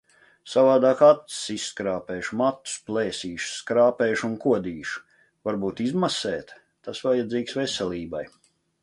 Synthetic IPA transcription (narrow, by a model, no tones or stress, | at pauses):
savaːd̪aːkat̪sisːkɾaːpeːʃmat̪ːu̥spleːsiːʃskɾaːpɛːʃunkuɔd̪iːʃ | vaɾbuːt̪izmasɛːt̪ | t̪asvajad̪ziːksvɛsɛlʲiːbaj